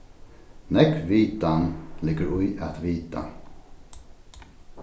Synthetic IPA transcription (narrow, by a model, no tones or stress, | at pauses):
nɛkʋiːt̪anlɪɡəɾʊjat̪ʋiːt̪ʰa̰